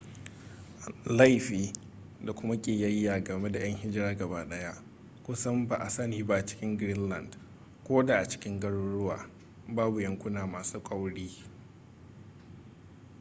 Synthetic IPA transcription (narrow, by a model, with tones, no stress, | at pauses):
la˦jɸiː˨ | da˨kʷʊ˦ma˦kʲʼeː˨jɐ˦jːaː˨ɡɐ˨me˦da˨j̰ɐ˦ŋhɪ˦d͡ʒɪ˦ɾaː˦ɡɐ˨baː˦ɗɐ˦ja˦ʔ | kʷʊ˦sɐ˦mba˨ʔa˨sɐ˦niː˨ba˦ʔt͡ʃɪ̥˦kʲɪ˦ŋɡɾɪ˦nlɐ˨nd | kʷoː˦da˨ʔa˨t͡ʃɪ̥˦kʲɪ˦ŋɡɐ˦ɽʊ˦ɽʊ˦wa̰ː˨ | baː˦bu˨jɐ˨ŋkʷʊ˦naː˨maː˨suː˦kʷʼa˦wɽiː˦